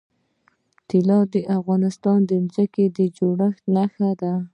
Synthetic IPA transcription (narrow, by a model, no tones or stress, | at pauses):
t̪ɪlɑd̪əʔafɣɑnɪst̪ɑnd̪əmzəked̪əd͡ʒoɽəxnaxad̪a